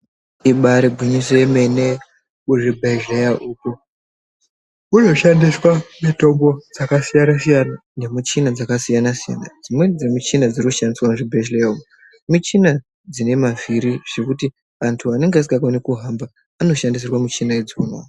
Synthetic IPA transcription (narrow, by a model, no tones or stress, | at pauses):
iɓaɾeɡʱuɲisemene | uʐibʱeʒejaʔuːko | uno̞ʃandiswamito̞mbo̞d͡zakasijanasijanane̞mut͡ʃinad͡zakasijanasija̰na̰d͡zimwe̞d͡zemit͡ʃinad͡zirikuʃandiswamuʐibʱeʒlejaumu | mut͡ʃina | d͡zine̞maviɾiʐ̥e̞kuti | antʰuane̞ŋɡeas̬iɡakonikuɦambaː | no̞ʃandis̬irwamit͡ʃinaid͡zona̰